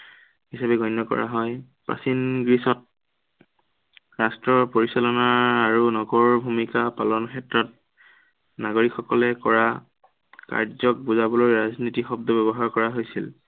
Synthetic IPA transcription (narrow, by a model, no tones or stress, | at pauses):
hisabɛɡɔjnːɔkɔ̰ɹa̰ɦɔj | pɹa̰sinɡɹisɔt̚ | ɹastɹɔpoɹisalɔnaaɹunɔɡɔɹbʱumikapalɔnkʰɛtɹɔt̚ | naɡoɹikxɔkɔlɛkɔɹa | ka̰ɹzɔk̚buzabɔlojɹaznitixɔb̚dɔbɛbɔɦaɹkɔɹaɦojsil